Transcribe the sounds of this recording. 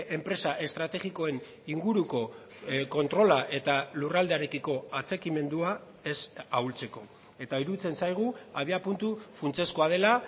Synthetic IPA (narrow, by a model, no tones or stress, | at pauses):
e̞mpɾe̞saʔe̞st̪ɾat̪e̞ɣiko̞e̞n | iŋɡuɾuko̞ | ko̞nt̪ɾo̞laʔe̞t̪alurald̪eaɾe̞kiko̞at͡se̞kime̞nd̪ua | e̞sawlt͡se̞ko̞ | e̞t̪aiɾut͡se̞nsajɣ̞uaβiapunt̪ufunt͡se̞sko̞að̞e̞la